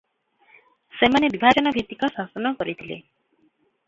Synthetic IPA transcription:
semanebibʱad͡ʒɔnɔbʱit̪ːikɔsasɔnɔkɔɾit̪ʰilḛ

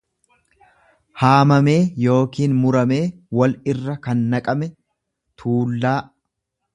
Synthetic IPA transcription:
haːmɐme̞ːjo̞ːkiːnmʊɾɐme̞ː | wɐlɪrːɐkɐnːɐkʼɐmɛ | t̪ʰuːlːaː

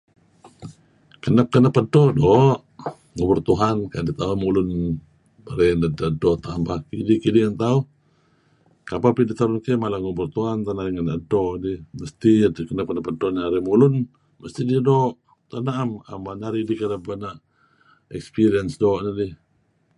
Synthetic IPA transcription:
kənap̚kənapːədɔdɔʔ | ŋəbʊrt̪uɦankandit̪aumulʊn | bəɾanadadɔt̪ambakidikidiant̪au | kapapidit̪aɾʊnkɛmalaŋəbʊrt̪uɦant̪anaɾiŋənaʔdɔʔdiməst̪idkənap̚kənapːədɔʔnaɾimulʊn | məst̪ididɔʔ | t̪anaʔamambaɲaɾidikənəp̚anaʔ | ɛkspiɾiənsdɔʔnadi

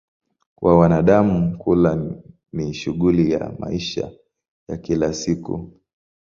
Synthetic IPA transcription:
kwʔawanaɗamukula | niʃuɠulija̰ma̰iʃa̰ | jakilasikṵ

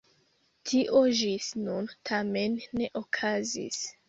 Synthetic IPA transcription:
tʰiʔo̞ʒisnuntʰame̞nːe̞ʔokʰazḭs

